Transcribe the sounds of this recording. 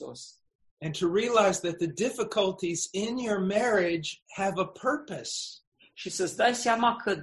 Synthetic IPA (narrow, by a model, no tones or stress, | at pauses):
o̰s | ɨ̃ntʰɨɹiəlaɪzðɨt̪̚ðɨdɪfɨkʰəlˠtʰizɪ̃njə˞mɛɹɪd͡ʒhɨvəpʰɜ˞pɨs | ʃisəsd̪ajsjamakʰə